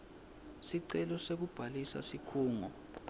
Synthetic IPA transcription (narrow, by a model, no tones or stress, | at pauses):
siǀɛlɔsek̬ub̥ʱalisa̰sikʰuːŋɔ